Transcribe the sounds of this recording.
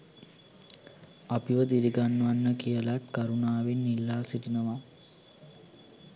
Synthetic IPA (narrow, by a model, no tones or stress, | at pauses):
apiʋəd̪iɾiɡanːəʋanːəkijəlat̪kaɾunaːʋinːilːaːsiʈinəʋa